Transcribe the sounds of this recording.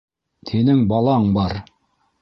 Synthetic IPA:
t̪ʰinɘŋbɑlˠɑɴbɑɾ

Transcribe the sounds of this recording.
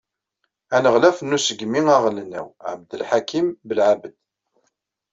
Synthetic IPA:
ænəʁlæfənːusəɡmiŋaʁlnːæ̰wʕə̰bd̪əlħakimbəlʕabəd̪

